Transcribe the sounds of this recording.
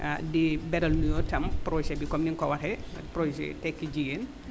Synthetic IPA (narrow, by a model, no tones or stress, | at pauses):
adibɛɾɐlnujɔtɐmpɾosɛbikɔmniŋkɔwɐtɛpɾosɛ̰tɛkːid͡ʒiɡen